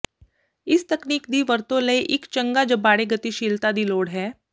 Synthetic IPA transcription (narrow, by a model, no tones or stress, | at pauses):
ɪst̪əkniːk̚d̪iːʋəɾt̪õləiʔɪkt͡ʃə̃ŋɡaːd͡ʒəbːaːɽeːɡət̪iʃiːlt̪ad̪iːloːɽɦɛː